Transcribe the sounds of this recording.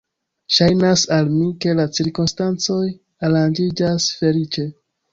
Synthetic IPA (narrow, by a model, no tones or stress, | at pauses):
ʃajnasalmike̞lat͡siɾkumstant͡so̞j | aɾand͡ʒid͡ʒasfe̞lit͡ʃe̞